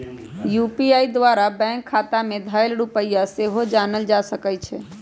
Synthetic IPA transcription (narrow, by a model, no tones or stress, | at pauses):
jupiaːid̪ʋaːɾabɛ̃ŋkʰːaːt̪amẽd̪ʱajəlɽupəjjaseɦod͡ʒaːnəld͡ʒasəkəjt͡ʃʰɛ